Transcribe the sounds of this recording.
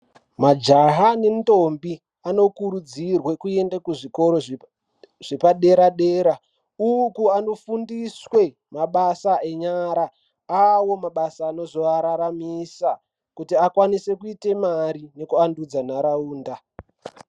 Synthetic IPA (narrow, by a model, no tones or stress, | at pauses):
mad͡ʒaɦanem̩to̞mbi | ano̞kuɾud͡zirwe̞kue̞ndakuʐiko̞ɾo̞ | ʐ̥epaɗe̞ɾaɗeːɾa | ukuano̞fundiswe̞ | maɓasae̞ɲaɾa | awo̞maɓasaːno̞zo̞aɾaɾamisa | kutiakwanise̞kuite̞maɾine̞kuandud͡zanaɾauːnda